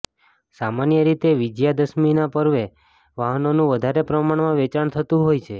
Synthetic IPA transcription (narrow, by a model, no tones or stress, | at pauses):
samanjəɾit̪eʋid͡ʒjad̪əsminapəɾʋe | ʋaɦənonũʋəd̪ʱaɾepɾəmaɳmãʋɛt͡ʃaɳt̪ʰət̪ũɦojt͡ʃʰe